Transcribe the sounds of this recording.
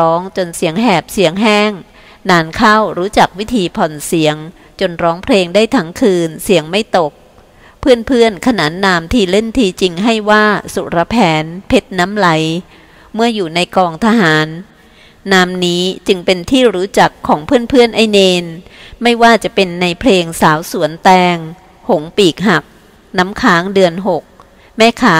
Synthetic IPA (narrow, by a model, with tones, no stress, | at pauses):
ɔː˦˥ŋt͡ɕo˧nsi˩˦əŋɦɛː˨˩p̚si˨˩˦əŋɦɛː˥˩ŋ | naː˧nkʰa˥˩wɾuː˦˥t͡ɕa˨˩k̚wi˦˥t̪ʰiː˧pʰɔ˨˩nsi˩˦əŋ | t͡ɕo˧nɾɔː˦˥ŋpʰleː˧ŋdaː˥˩jt̪ʰa˦˥ŋkʰɯː˧nsi˨˩˦əŋma˥˩jt̪o˨˩k̚ | pʰɯ˥˩ənpʰɯ˥˩ənkʰa˧na̰ː˩˦nːaː˧mt̪ʰiː˧˩le˥˩nt̪ʰiː˧t͡ɕi˧ŋɦa˥˩jwaː˥˩su˨˩ɾa˧pʰɛː˨˦˥npʰe˦˥t̪̚naː˦˥mla˨˩˦j | mɯ˥˩əjuː˨˩na˧jkɔː˧ŋt̪ʰa˧ɦaː˩˦nː | aː˧mniː˦˥t͡ɕɯ˧ŋpe˧nt̪ʰiː˥˩ɾuː˦˥t͡ɕa˨˩kʰːɔː˩˦ŋpʰɯ˥˩ənpʰɯ˥˩ənʔa˥˩jneː˧nma˥˩jwaː˥˩t͡ɕa˨˩pe˧nːa˧jpʰleː˧ŋsaː˩˦wsu˨˩˦ənt̪ɛː˧ŋ | ho˩˦ŋpiː˨˩k̚ɦa˨˩k̚ | naː˦˥mkʰaː˦˥ŋdɯ˧ənɦo˨˩k̚ | mɛː˥˩kʰaː˦˥